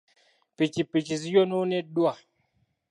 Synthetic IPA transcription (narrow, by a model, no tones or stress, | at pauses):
pit͡ʃipit͡ʃis̬ijononedua